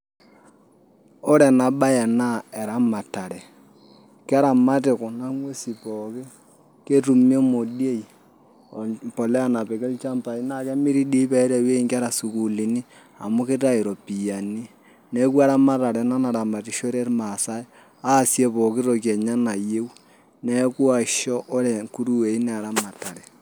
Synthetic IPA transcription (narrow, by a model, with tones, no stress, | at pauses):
o˦ɾɛ˨na˨ɓa˦jɛ˨na˦ɛ˨ɾa˦ma˨ta˨ɾɛ˨ | kɾa˨ma˦tɪ˨kʊ˨na˦ŋwe˦si˨pɔ˨kɪ˦ | ke˦tu˨mjo˦mo˨di˦e˦i˨ | pɔ˨lɛ˦a˦na˨pɛ˨kɪ˦lt͡ʃa˦mpa˨i˦na˦˨kɛ˦mi˦ɾi˦di˦pɛ˨˦ɾɛ˨we˦˨ŋka˦ɾa˨su˨ku˨li˨ni˦ | a̰˨mu˦ke˦ta˦i˨ɾɔ˨pi˨ja˨ni˦ | nɛ˨˦ku˦a˦ɾa˦ma˦ta˨ɾɛ˨na˦na˨ɾa˨ma˨tɪ˨ʃo˦ɾe˦rma˨sa˦ɛ˦ | a˦˨sje˦pɔ˨kɪ˦ɾo˨k̬jɛ˨ɲa˦na˨je˦w | nɛ˦ku˦a˨ʃɔ˦ʔɔ˦lɛ˨ku˦ɾu˦we˨i˦nɛ˨a˨ɾa˦ma˨ta˨ɾɛ˨